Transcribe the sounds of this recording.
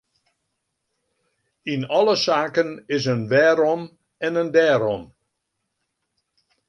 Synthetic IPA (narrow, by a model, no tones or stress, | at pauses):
inɔləsaːkənɪsənʋɛːɾɔm | ɛnəndɛːɾɔm